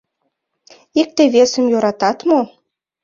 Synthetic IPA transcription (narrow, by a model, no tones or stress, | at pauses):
ik̚t̪eβesə̆mjoɾɑt̪ɑt̪mo